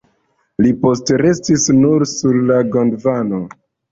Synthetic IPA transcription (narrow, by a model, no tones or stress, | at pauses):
lipo̞stɾe̞stisnuɾsuɾlaɡondvano